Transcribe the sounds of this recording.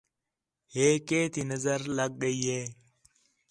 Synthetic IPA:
heːkeːt̪inɐzɐɾlɐɡ̚ːəije

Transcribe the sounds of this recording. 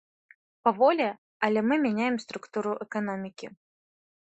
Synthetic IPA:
pavɔlʲɛ | ɐlʲɛmɨmʲanʲajɛmst̪ɾukt̪uɾuʔɛkanɔmʲikʲi

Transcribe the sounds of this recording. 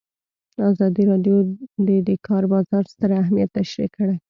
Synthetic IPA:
əɑzɑd̪iɾɑɖjod̪ed̪əkʰɑɾbɑzɑɾst̪əɾaɦmijat̪ːaʃɾikːəɽaj

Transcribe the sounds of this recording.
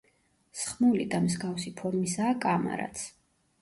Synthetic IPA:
sχmulid̪amzɡafsipʰɔɾmisaːkʼama̰ɾa̰t̪sʰ

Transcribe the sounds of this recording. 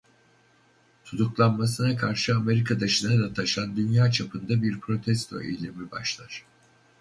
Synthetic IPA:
t̪ʰut̪uklˠanmasɯnakʰaɾʃɯame̞ɾikʰad̪aʃɯnad̪at̪ʰaʃand̪ynjaːt͡ʃʰapʰɯnd̪abiɾpʰɾo̞t̪ʰɛst̪ʰo̞̰ḛjlʲemibaʃlˠaɾ̥

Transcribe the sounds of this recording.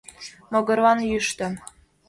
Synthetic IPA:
mɤ̆ɡɤ̆ɾʋɑnjyʃt̪ə̆m

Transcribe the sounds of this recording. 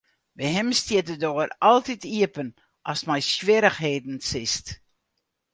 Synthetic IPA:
bəɦɪmstɪtədoərɑlˠtitiəpən | ʔɑsmɛjsʋɪɾəxɦeːdn̩sɪst

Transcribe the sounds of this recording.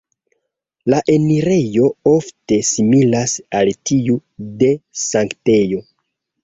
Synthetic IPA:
laʔe̞niɾe̞jo̞o̞fte̞similasaltiude̞saŋkte̞jo̞

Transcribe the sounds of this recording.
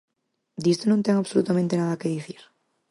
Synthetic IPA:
d̪ist̪onõnt̪eŋaβsolut̪amẽnt̪enaðakeðiθiɾ

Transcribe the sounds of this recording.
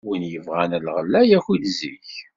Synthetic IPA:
winjəvʁænælʁəlːæjæçilzḭç

